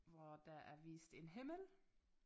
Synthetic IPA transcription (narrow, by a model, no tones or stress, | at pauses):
ʋɒd̥ɑʔæɐʋḭːsd̥e̝nɦeməl